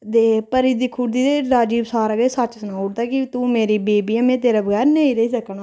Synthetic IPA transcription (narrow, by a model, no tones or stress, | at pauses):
d̪eːpəɾiːd̪iːkʰuːɽd̪iːt̪eːɾaːd͡ʒiːbsaːɾaɡeːsat͡ʃsənaːʊʈ̚t̪aːkit̪ũːmeːɾiːbeːbiːamẽːt̪eːɾaːbəɡɛːɾnẽĩːɾəiːs̬əkɳaː